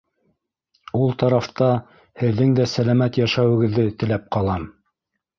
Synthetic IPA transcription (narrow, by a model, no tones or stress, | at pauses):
ulˠt̪ɑɾɑft̪ɑ | hɘ̆ðːɘŋd̪æsælæmæt̪jæʃæwɘ̆ɡɘ̆ðːɘt̪ɘ̆læp̚qɑlˠɑm